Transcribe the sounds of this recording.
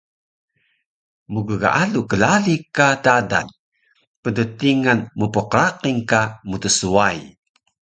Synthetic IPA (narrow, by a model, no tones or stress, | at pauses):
muɡəɡa̰ʔalukəlalikatada̰n | pədətiŋanmupəqəɾaqiŋkamutəsuaj